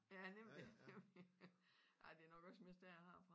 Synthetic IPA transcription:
jænem̰l̥ineml | ɑ̈ɪd̥e̝ɐnɒɡ̥ɒ̽sme̝sd̥æɐ̰ɑhɑ̈fʁɑ̈

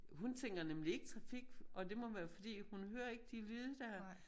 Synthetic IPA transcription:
ɦunt͡sʰeŋ̰ɡ̥ɐnemlie̝ɡ̥ət͡sʰʁɑ̈fiɡ̥ʔɒ̽d̥e̝mɒ̽ʋæːɐfɒ̽d̥ḭːhunɦøːɐe̝ɡ̥̚d̥ilyːð̞ˠəd̥æɐ

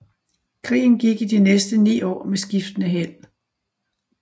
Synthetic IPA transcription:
kʰʁḭːn̩ɡ̥iɡ̥id̥inesd̥ənḭːɒ̰ːmesɡ̥ifd̥ənəɦen̰

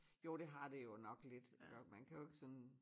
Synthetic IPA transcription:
jo̝ːd̥e̝ɦɑ̈d̥e̝jo̝nɒ̽ɡ̥led̥mænkʰæjoe̝ɡ̥əsɒ̽n

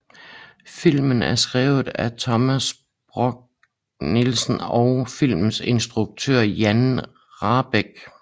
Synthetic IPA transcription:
fil̰mən̩æɐsɡ̥ʁɛ̰ːʊð̩ˠæt͡sʰɒ̽mæs | b̥ʁɔɡ̥̚ | nilsən̩ɒʊfil̰mse̝nsd̥ʁuɡ̥̚t͡sʰø̰ɐ̰jæn | ʁɑ̈ːb̥eɡ̥

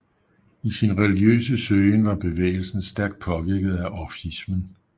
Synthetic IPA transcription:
isinʁɛliɡ̥jø̰ːsəsøːnʋɑ̈b̥e̝ʋḛːɪl̩sn̩sd̥æɐɡ̥̚d̥̚pʰɒ̽ʋiɐɡ̥ð̞̩ˠæʔɒfismən

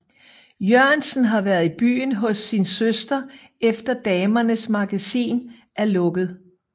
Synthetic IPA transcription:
jøɐnsn̩ɦɑ̈ʋæɐðˠib̥y̰ːnɦɔ̽sːinsøsd̥ɐ | efd̥ɐd̥ɛːmɐnəsmɑ̈ɡ̥æsḭːn | ʔæɐlɔ̽ɡ̥ð̞̩ˠ

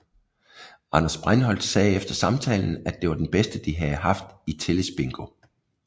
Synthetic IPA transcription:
ʔɑ̈nɐsb̥ʁanhɒ̽l̰d̥sɛːefd̥ɐsɑ̈mt͡sʰɛ̰ːln̩æd̥e̝ʋɑ̈d̥enb̥esd̥əd̥iɦæð̩ˠɦɑ̈fd̥it͡sʰeləsb̥e̝ŋɡ̥o̝

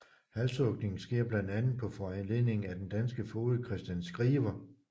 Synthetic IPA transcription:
hælsɔ̽ɡ̥ne̝ŋn̩sɡ̥e̝ɐ̰b̥lænd̥ænð̩ˠpʰɒ̽fɒenle̝ð̰ˠne̝ŋ̩æd̥end̥ænsɡ̥əfo̝ːðˠəkʰʁɛsd̥jænsɡ̥ʁiːʋɐ

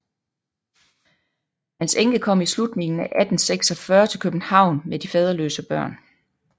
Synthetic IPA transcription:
hænseŋɡ̥əkʰɒ̽m̰islud̥ne̝ŋn̩æʔæd̥n̩seɡ̥sɒfɶːɐt͡sʰe̝lkʰøb̥n̩hɑ̈ʊ̰nmed̥ifɛð̞ˠɐlø̰ːsəb̥ɶɐ̰n

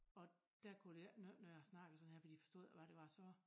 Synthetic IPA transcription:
ɒ̽d̥ækʰud̥nønøæsnɑ̈ɡ̥əsɒ̽n̩heɐ̰fɒd̥i̥ːifɒsd̥o̝ːð̰ˠʋæɾ̥e̝ʋɑ̈sɒ̽

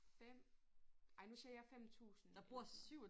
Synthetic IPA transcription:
fem̰ | ɑ̈ɪnusiɐjɑ̈ɪfem̰t͡sʰṵːsn̩d̥ɑ̈bb̥uɐ̰syʊ

